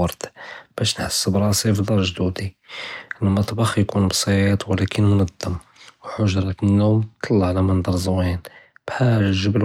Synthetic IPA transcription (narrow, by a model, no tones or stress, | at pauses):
ɑɾt̪b̥æʃnħəsːəbɾˤɑsifd̪ˤɑɾˤʒd̪ud̪iəlmɑt̪ˤbɑxjkunbsˤɑt̪wəlækʰənmnəd̪ːəm | wħʊʒɾˤɑt̪ənːumt̪ʰˤːɑlːɑʕlæmænd̪ˤɑɾˤzwinb̥ħaʒʒəbl